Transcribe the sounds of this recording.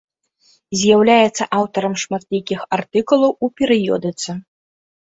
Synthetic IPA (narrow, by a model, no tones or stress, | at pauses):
zʲjawlʲajɛt̪sːɐʔawt̪ɐɾɐmʂmat̪lʲikʲixart̪ɨkulˠɐwupʲɛɾɨjɔ̰d̪ɨt̪sɨ